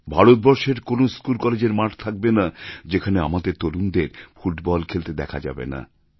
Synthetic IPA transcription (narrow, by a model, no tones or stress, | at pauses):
bʱaɾot̪̚bɔɾʃeɾkonoskulkɔled͡ʑeɾmaʈt̪ʰak̚benad͡ʑekʰaneamad̪eɾt̪oɾund̪eɾfuʈbɔlkʰelt̪ed̪ɛkʰad͡ʑa̰bḛna̰